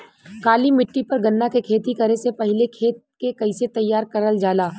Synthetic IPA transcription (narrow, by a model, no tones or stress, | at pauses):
kaːlimɪʈːipɐɾɡɐnːakekʰeːt̪ikɐɾesepɐɦɪlekʰeːt̪̚kekɐɪset̪ɐjːaːɾkɐɾəld͡ʒaːlaː